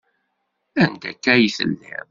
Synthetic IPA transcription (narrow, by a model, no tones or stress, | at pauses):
ænt̪ækːæjiθə̰lːæ̰m